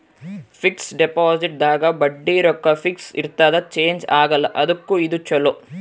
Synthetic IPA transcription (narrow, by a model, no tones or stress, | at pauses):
fʰiksɖepaːziʈ̚d̪aːɡɐbɐɖːiːɾɔkːɐfiksḭɾt̪aːd̪ɐt͡ʃe̞ːɲd͡ʒaːɡɐlːɐʔɐd̪ɐkːuid̪ut͡ʃɐlo